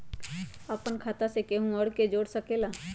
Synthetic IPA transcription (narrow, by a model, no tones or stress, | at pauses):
əpənkʰaːt̪asekeɦũɔɽked͡ʒoːɽsəkeːlaː